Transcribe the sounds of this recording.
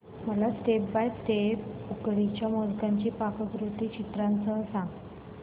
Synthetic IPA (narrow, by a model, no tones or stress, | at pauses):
məlast̪ebbajt̪eukɽit͡ɕjamolɡãɲt͡ɕiːpakəɡɾut̪iːt͡ɕit̪ɾãnt͡səsãŋɡ